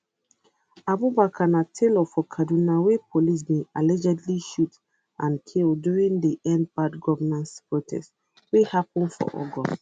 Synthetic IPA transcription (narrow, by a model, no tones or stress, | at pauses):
abubakʰãnatʰelɔfɔkʰadunawepʰolis̬mealɛd͡ʒɛdliʃut | ʔãnkʰilduɹĩŋdiʔɛ̃npatɡɔvənãntpɹotʰɛ̰st | wehapɔ̃nfɔ̰ʔɔ̰ɡɔ̰